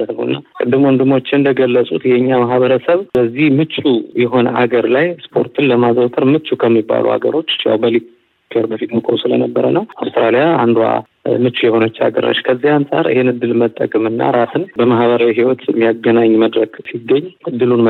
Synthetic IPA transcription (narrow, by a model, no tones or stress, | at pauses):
ət̪nəwɨnːakʼɨd̪ːɨmwɔnd̪ɨmo̞t͡ʃːɪnd̪əɡəlːəsʼut̪jɛɨɲːamaɦβəɾəsəβbəzːihmɨt͡ʃːujɛɦo̞nʔa̰ɡəɾlajspʰo̞ɾt̪ʰɨnləmazot̪ʰəɾmɨt͡ʃːukʰəmːibːa̰lṵha̰ɡə̰ɾo̞t͡ʃːja̰wbəli | kʰəɾbəfit̪mɨkʼowsɨlə̰nəbːəɾənəwawst̪ɾalijaa̰nd̪wa̰ | mɨt͡ʃːujɛho̞nət͡ʃːa̰ɡə̰ɾa̰ʃkʰəzːihansʼa̰ɾɨ̰hɪnɨd̪ːɨlmət̪ʼːə̰kʼɨmɨnːa̰ɾasɨnbəmahβəɾawiɦiwɔt̪mːijaɡːənaɲːməd̪ɾəɡsiɡːəɲːɨd̪ːɨlunm